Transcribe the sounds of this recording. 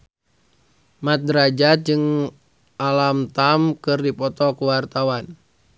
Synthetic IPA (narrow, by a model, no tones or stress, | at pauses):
mat̪̚dəɾad͡ʒat̪̚d͡ʒɨŋ | ʔalamt̪amkɨrdipɔt̪ɔkuwart̪awan